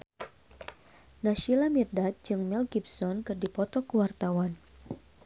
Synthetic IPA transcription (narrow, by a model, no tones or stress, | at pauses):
naʃilamirdat̪̚d͡ʒɨŋmɛlɡibsɔnkɨrdipɔt̪ɔkuwart̪awan